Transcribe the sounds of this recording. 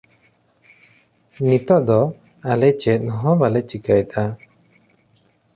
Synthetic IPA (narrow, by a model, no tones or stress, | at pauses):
nit̪ɔʔd̪ɔ | alɛt͡ʃɛt̪̚ˀnɔɦɔ̃balɛt͡ʃikajt̪a